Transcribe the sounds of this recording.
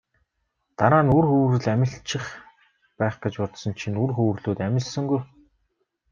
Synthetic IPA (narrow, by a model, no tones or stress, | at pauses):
t̪aɾaːnurxɵːwrɘ̆ɮæmʲɪ̆ɬt͡ɕɪ̆χ | pæːχɡet͡ɕpɔt̪sɞ̆nt͡ɕʰinurxuːrɮuːt̪æmʲɪ̆ɮsɘ̆ŋɡuj